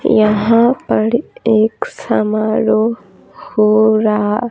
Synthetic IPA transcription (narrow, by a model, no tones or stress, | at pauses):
jaɦãpɐɽieːksɐmaːɾoː | hoːɾaː